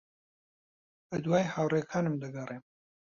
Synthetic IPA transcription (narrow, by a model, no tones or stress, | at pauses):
əd̪waːjhawɾekʰaːnɨmd̪əɡɐrem